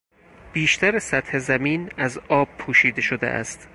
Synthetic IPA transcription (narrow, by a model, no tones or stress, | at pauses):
b̥iːʃt̪ʰæɾesæt̪he̞zæmiːnæzɒːb̥̚pʰuːʃiːd̪e̞ʃod̪ḛʔæ̰st̪